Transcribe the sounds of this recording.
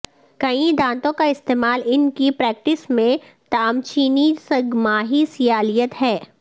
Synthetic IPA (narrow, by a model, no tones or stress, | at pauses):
kɐĩd̪ãːnt̪õkaɪst̪eːmaːlɪnkipɾɛːk̚ʈɪsmẽ | t̪aːmt͡ʃiːnisɐɡmaːɦisɪjaːlijət̪ɦɛː